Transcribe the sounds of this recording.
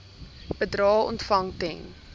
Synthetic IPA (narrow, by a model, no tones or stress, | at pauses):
b̥ədɾɑːɔ̰ntfɐŋtɛn